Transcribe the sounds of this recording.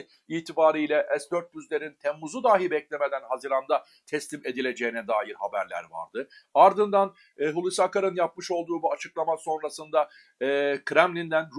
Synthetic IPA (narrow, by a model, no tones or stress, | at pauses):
iːt̪ʰibaːɾijlʲɛʔɛsd̪øɾt̪̚byzlʲe̞ɾint̪ʰɛmːuzud̪aːɦibɛclʲeme̞d̪ænɦazɯɾamd̪a | t̪ʰɛslʲime̞d̪ilʲe̞d͡ʒe̞jinɛd̪aːjiɾhabæ̰ɾlʲæ̰ɾva̰ɾd̪ɯaɾd̪ɯnd̪anː | ɦulˠusakaɾɯnjap̚mɯʃo̞lˠd̪uːbuat͡ʃʰɯklˠamaso̞nɾasɯnd̪a | ɯːkʰɾɛmlʲind̪ænɾ